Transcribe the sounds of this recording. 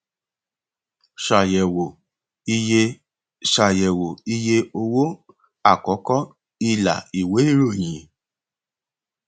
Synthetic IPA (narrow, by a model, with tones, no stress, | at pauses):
ʃ | ʃa˨je˨wo˨i˦je˧o˨wo˦ | a˨kɔ˨˦kɔ˦ | i˧la̰˨i˨we˦i˦ɾo˦˨ɲi˨